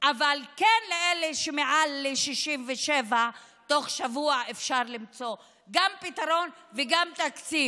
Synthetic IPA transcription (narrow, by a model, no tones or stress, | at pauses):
ʔavalkenleʔeleʃemeʕalːeʃiʃimveʃeva | t̪o̞χʃavuaʔefʃaʁlimt͡so̞ | ɡampit̪aʁo̞nveɡamt̪akt͡si